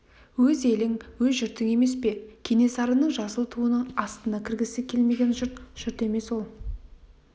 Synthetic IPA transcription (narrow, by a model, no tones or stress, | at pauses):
wɵze̞lɪŋwɵzʒʏɾt̪ɪŋe̞me̞spe̞kʲʰe̞ne̞sɑɾənəɴʒɑsəlˠt̪ʰuənəɴɑst̪ənɑkʲʰɪɾɡʲɪsɪkʲʰe̞lme̞ɡʲe̞nʒʊɾt̪ʒ̥ʊɾt̪e̞me̞swo̞lˠ